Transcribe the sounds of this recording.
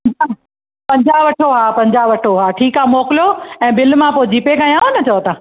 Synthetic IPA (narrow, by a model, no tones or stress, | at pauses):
ɐa | pɐ̃ɲd͡ʑaːʋɐʈʰoɦaːpɐ̃ɲd͡ʑaːʋɐʈʰoɦaːʈʰiːkaːmoːkɪloɛ̃ːbɪlmãpod͡ʑiːpekãjãːnɐt͡ɕɐot̪ãː